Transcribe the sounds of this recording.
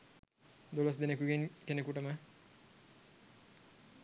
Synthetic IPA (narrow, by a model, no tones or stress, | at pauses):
d̪olos̬d̪enekuɡenkenekuʈəmə